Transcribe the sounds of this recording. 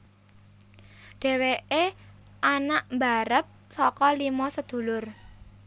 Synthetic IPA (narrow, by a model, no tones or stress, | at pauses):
ɖ̥e̤weʔe | ʔanaʔmbaɾəp̚sɔkɔlimɔsəd̪̥ṳlʊr